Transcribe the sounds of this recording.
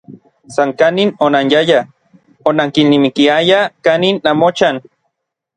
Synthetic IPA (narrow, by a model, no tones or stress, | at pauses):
saŋkaninonanjaja | onaŋkinːimikiajakaninːamot͡ʃan